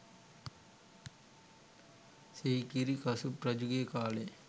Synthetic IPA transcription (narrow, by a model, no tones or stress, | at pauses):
seːkiɾikɐsupɾɐd͡ʒuɡekaːle